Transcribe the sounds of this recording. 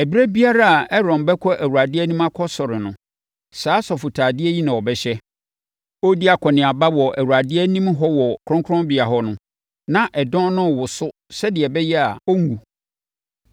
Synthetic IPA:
æ˨bi˦ɾæ˦bi˦a˦ɾa˦a˨ɛ˦ɾɔ̃˨nbɛ˦kʰɔ˦ʔæ˨wu˨a˨dɪ˦ɛ˦nĩ˦ma˦kʰɔ˦sɔ˨ɾɪ˨nʊ̃˨ | saː˨˦sɔ˨fʊ˨tʰaː˨dɪ˦ɛ˦ji˦nã˨ɔ˨bɛ˨ɕɛ˦ | o˦di˦a˨kʰɔ˨nɪ̃˨a˨ba˦wɔ˨ʔæ˨wu˨ɾa˨dɪ˦ɛ˦nĩ˦mɦɔ˦wɔ˨kʰɾɔ̃˦ŋkʰɾɔ̃˦mbɪ˨a˨ɦɔ˦nʊ̃˦ | nã˦˨ʔɛ˨dɔ̃˦nʊ̃˦˨wʊ˨sʊ˦ | sɛ˦dɪ˨ɛ˨bɛ˦jɛ˦a˨ɔ˦ŋ˦ũ˨

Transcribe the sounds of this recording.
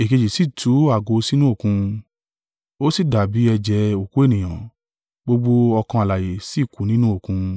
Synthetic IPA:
e˨ke˧d͡ʒi˨si˦˨tʰu˨˦a˦˨ɡo˧si˦nũ˦o˦˨kũ˧ | o˦si˦˨da˨bi˨˦ɛ˧d͡ʒɛ˧˦o˨ku˨˦e˦˨nĩ˨j̃ã˨ | ɡ͡bo˧ɡ͡bo˧ɔ˧kã˧a˨la˨je˨si˦˨ku˨˦nĩ˦nũ˦o˦˨kũ˧

